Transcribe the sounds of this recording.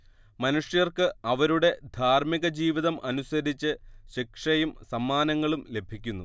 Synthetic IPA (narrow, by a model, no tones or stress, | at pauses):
mɐnuʂjɐrkɨɐʋɐɾuɽe̞d̪ʱaːrmiɣɐd͡ʑiːʋiðɐmʔɐnusɐɾit͡ɕːɨɕikʂɐjumsɐmːaːnɐŋːɐɭumle̞bʱikʲːunːu